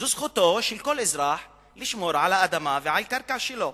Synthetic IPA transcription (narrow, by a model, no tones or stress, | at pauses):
zusxʊt̪oʃilkolʔɪzɾɑːħ | liʃmoːɾʕalaʔad̪amavɪʕalkaɾˤkaʕʃilo